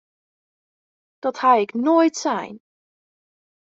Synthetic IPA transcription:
d̥ɔthajɪknoːjtsɛ̰jn

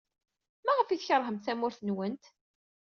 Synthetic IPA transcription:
mæʁəfiðçəɾˤɦəmθæmʊɾθnwənt̪

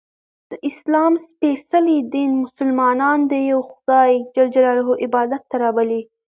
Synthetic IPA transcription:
d̪̥əʔɪslɑmspesalid̪inmʊsʊlmɑnɑnd̪əjawxʊd̪ɑjd͡ʒald͡ʒaɾɑɾaɦoʔɪbɑd̪at̪ːaɾɑbəli

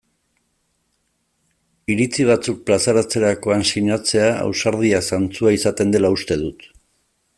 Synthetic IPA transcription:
iɾit͡siβ̞at͡suk̚plasaɾat͡se̞ɾako̞ansiɲat͡se̞aa̰wsaɾðiasant͡suaisat̪e̞nd̪e̞laust̪e̞ðut̪

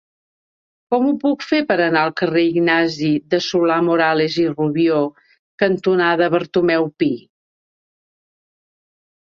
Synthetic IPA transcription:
kɔmupukfepəɾənaəlˠkəreiɡnaziðəsulamuɾaleziruβio | kənt̪unaðəβəɾt̪umɛwpi

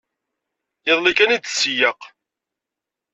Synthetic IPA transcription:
əðˤlikænid̪sːjəq

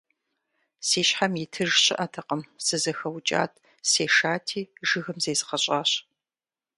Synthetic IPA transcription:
siːɕħamjitʰɨʒɕɪ̰ʔɐtʰɐqɐmsɨzɐxɐwt͡ʃʼa̰ːtʰ | seːʃaːtʰiːʒɨɣɨmzeːzɨqɐɕʼaːɕ

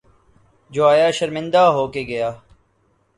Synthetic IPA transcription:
d͡ʒoːaːjaːʃəɾmɪ̃nd̪aːɦoːkeːɡɐjaː

